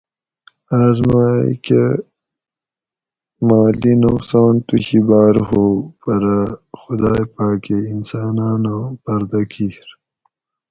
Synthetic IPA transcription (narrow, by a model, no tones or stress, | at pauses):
aːzmaːjḭke | maːlinuqsaːnt̪uɕibaːɾɦopɐɾaxʊd̪aːjpaːkeinsaːnaːnãpɐɾd̪akʰiɾ